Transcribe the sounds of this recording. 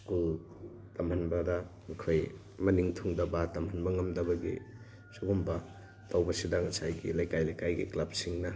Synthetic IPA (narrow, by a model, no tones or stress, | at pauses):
kul | tɐmhɐnbɐdɐmɐkʰoj | mɐniŋtʰuŋdɐbɐtɐmhɐnbɐŋɐmdɐbɐɡḭ | suɡumbɐ | tʰawbɐsidɐŋɐsajɡḭlajkajlajkajɡḭklab̚siŋnɐ